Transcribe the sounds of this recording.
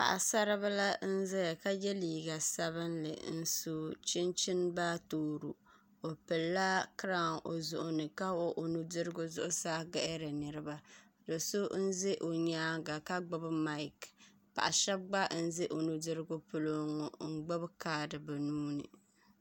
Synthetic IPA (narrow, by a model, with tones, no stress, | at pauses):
pa̰˨ʔa̰˨sa˦ɾɨ˦βa˦la˦n̩˦zɛ˦ja˨ka˦jɛ˦liː˨ɡa˨sa˦βɨ˦nlɨ̰˨n̩˦so˦t͡ʃɪ˦nt͡ʃɪ˦nba˦toː˨ɾṵ˨ | o˨pɨ˨lːa˦kɾa˦˨ŋo̰˨zʊ˨ʔʊ˨nɨ˨ka˦wo˦ʔo˨nu˦dɨ˦ɾɨ˦ɡʊ˦zʊ̰˦ʔʊ˦saː˦ɡɛ˨ʔɪ˦ɾɨ˨nɨ˨ɾɨ˦ba˦ | do˨so˦n̩˦zɪ˦ʔo˨ɲaː˦ɡa˨ka˦ɡ͡bʊ˦bɨ˦ma˦jk | pa̰˨ʔa˨ʃɛ˦b̚ɡ͡ba˦n̩˦zɪ˦ʔo˨nu˨dɨ˦ɾɨ˦ɡʊ˦pʊ˦lo˦ŋɔ˨ŋ̩˦ɡ͡bʊ˦bkaː˦dɨ˨bɛ˨nuː˦nɨ̰˨